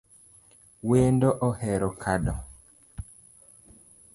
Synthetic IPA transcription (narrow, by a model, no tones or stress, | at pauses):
weːndɔʔɔhɛɾɔkʰaɗɔ